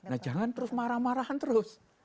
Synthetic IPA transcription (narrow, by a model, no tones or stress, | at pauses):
nahd͡ʒaŋant̪əɾʊsmaɾahmaɾahant̪əɾʊs